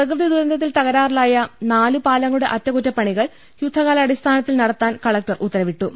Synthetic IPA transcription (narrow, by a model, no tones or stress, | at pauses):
prɐkrɨd̪id̪uɾɐnd̪ʱɐt̪ːilt̪ɐɣɐɾaːrilaːjɐnaːlupaːlɐŋːɐɭuɽeʔɐtːɐkutːɐpːɐɳiɣɐɭ | jud̪ʱːɐɣaːlɐɐɽist̪ʰaːnɐt̪ːilnɐɽɐt̪ːaːnkɐɭɐk̚tɐrut̪ːɐɾɐʋiʈːu